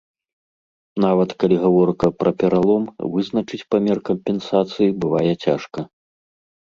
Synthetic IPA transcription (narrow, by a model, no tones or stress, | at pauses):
navɐt̪kalʲiɣavɔrkɐpɾʔɐpʲɛɾalˠɔmvɨznɐt͡ʂɨt͡sʲpamʲɛrkɐmpʲɛnsat̪sɨjibɨvajɛt͡sʲaʂkɐ